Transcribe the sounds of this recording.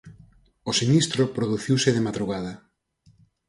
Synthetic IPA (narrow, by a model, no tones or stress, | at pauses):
osinist̪ɾʊpɾoðuθiwsɪðemaðɾuɣaðɐ